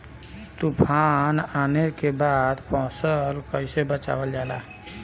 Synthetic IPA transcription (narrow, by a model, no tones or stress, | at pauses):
t̪upʰaːnaːnekebaːd̪pɔ̃ːsəlkəɪsebət͡ʃa̰ːʋəld͡ʒaːla̰ː